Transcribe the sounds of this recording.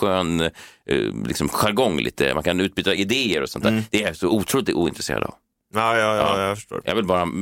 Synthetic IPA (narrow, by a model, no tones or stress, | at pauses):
øːn | lɪ̰ksɔmɧaɾɡɔŋːlḭːt̪ʰə̰ma̰nkʰanʉ̟ːt̪byːt̪aɪd̪eːəɾɔsɔnt̪ʰæːɾd̪ɛjasɔuːt̪ʰɾuːd̪ɪuːɪnt̪ɾɛsḛːɾa̰d̪a̰v | ɑːjɑjɑ̰ɑfəʂʈo̰ːjɑ̰vɪlbɑːɾa